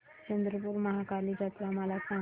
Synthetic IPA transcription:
t͡ʃənd̪ɾəpuɾmɐɦakalid͡ʒat̪ɾamalasa

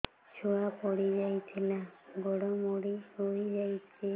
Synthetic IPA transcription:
t͡ʃʰuapɔɽid͡ʒajt͡ʃʰenaɡʱɔɽɔmoɽioid͡ʒajt͡ʃʰe

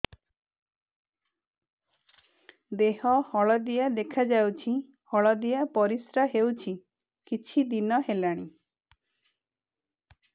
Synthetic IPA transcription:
d̪eɦɔhɔɭɔd̪ijad̪ekʰad͡ʒawt͡ʃʰi | hɔɭɔd̪ijapɔɾisɾaɦewt͡ʃʰi | kit͡ʃʰid̪inɔɦelaɽ̃i

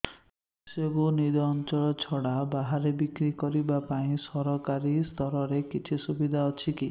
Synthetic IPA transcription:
sebunid̪ɔːnt͡ʃɔɭɔt͡ʃʰɔɽabaɦaɾebikɾikɔɾibapaĩsɔɾɔkaɾist̪ʰɔɾɔɾekit͡ʃʰisubid̪ʱaɔt͡ʃʰiki

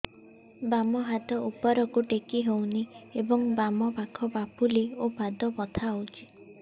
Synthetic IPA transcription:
bamɔɦat̪ɔʔupɔɾɔkuʈekiɦowniebɔŋbamɔbakʰɔbapuleobʱad̪ɔpɔt̪ʰaowt͡ʃʰi̥

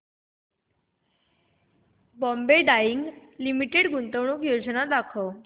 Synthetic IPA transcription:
bɔmbeɖajiŋɡlimiʈeɽɡunt̪əʋɳukjod͡znad̪akʰə

